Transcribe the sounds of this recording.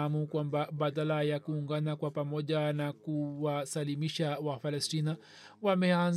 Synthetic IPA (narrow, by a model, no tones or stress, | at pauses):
amukwambaɓaðalajakuːŋɡanakwapamɔʄanakuwasalimiʃawapalɛstina | wamɛan